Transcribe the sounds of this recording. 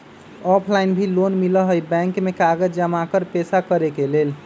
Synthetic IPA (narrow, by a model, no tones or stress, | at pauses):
ɔpʰlainbʱilonmiləɦəjbɛ̃ŋkmekaɡəd͡ʒd͡ʒəmakəɾpesakəɾekelel